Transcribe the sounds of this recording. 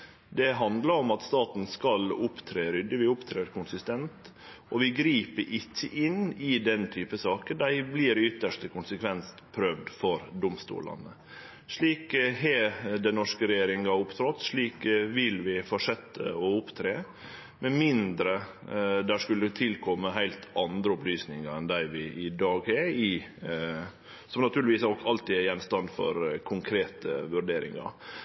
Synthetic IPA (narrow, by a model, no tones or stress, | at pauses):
d̪ɛɦɑnd̪lɑɾɔmɑt̪st̪ɑːt̪n̩skɑlʊpt̪ʰɾeːɾʏd̪əʋɪʊpt̪ʰɾeːɾkʰʊnsɪst̪ɛnt̪ | ʔɔʋɪɡɾiːpəɾʔɪçːəʔɪnɪd̪ɛnt̪ʰyːpəsɑːkəd̪æɪblɪɾʏt̪ːəʂʈəkʰʊnsəkʰʋɛns | pʰɾøːʋd̪fɔɾd̪ʊmst̪ṵːlɑ̰nə | ʂɭiːkɦed̪ɛnːɔʂkəɾɛjjeːɾɪŋɑʊpt̪ʰɾɔt̪ːʂɭiːkʋɪlʋɪfɔʂɛt̪ʰːə̰ɔʊpt̪ʰɾeː | mɛmɪnd̪ɾə | d̪æʂkʉlət̪ʰɪlkʰɔmːəɦæɪlt̪ɑnd̪ɾəʊplyːsnɪŋɑɾɛnd̪æɪʋɪʔɪd̪ɑːɡɛɪ | sɔmnɑt̪ʰʉːlɪʋiːsɔkɑlt̪ɪæjɛnst̪ɑnd̪fɔ̰ɾkʰʊŋkʰɾeːt̪ə̰ʋʉɾɖeːɾɪ̰ŋɑ̰ɾ